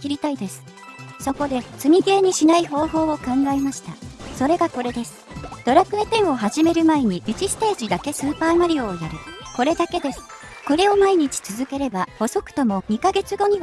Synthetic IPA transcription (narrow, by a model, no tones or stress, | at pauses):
iɾʲit̪aid̪e̞sɨ̥ | so̞ko̞d̪e̞t͡sɨmʲiɡe̞ːɲ̟iɕinaiɦo̞ːɦo̞ːo̞kãŋɡaemaɕi̥t̪aso̞ɾe̞ɡako̞ɾe̞d̪e̞sɨ̥d̪̥o̞ɾakɯ̟et̪ẽ̞ɰ̃o̞ɦaʑime̞ɾɯ̟mae̞ɲ̟iʔɯt͡ɕisɨ̥t̪eːʑid̪ake̞sɨːpaːmaɾʲio̞ːjaɾɯ̟ko̞ɾe̞d̪ake̞d̪e̞sɨ̥ | ko̞ɾe̞o̞maiɲ̟it͡ɕi̥t͡sɨzɨke̞ɾe̞baho̞so̞kɯ̥t̪o̞mo̞ɲ̟ikaɡe̞t͡sɨɡo̞ɲ̟i